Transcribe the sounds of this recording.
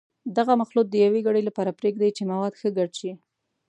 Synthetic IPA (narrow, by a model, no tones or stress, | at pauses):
d̪aɣamaxlut̪̚d̪əjaweɡaɽəjlapɑɾapɾeɡd̪ajt͡ʃemawɑd̪xəɡaɽʃi